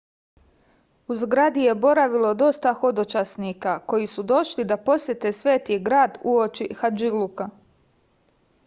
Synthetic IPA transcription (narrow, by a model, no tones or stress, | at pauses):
uzɡɾad̪ije̞bo̞ɾaʋilo̞d̪o̞st̪axo̞d̪ot͡ʃasnikako̞jisud̪o̞ʃlid̪apo̞sje̞t̪e̞sʋe̞ːt̪iɡɾaːd̪uot͡ʃixad͡ʒiluka